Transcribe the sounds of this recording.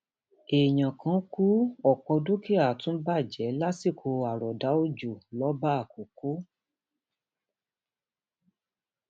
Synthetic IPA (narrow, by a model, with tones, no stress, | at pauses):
e˨j̃ã˨kã˨˦ku˦ɔ˨kɔ˧do˦ki˦a˨tũ˦ba˦˨d͡ʒɛ˨˦la˦si˦˨kʰo˧a˨ɾɔ˨da˨˦o˦d͡ʒo˨lɔ˨˦ba˦a˦˨ko˨ko˨˦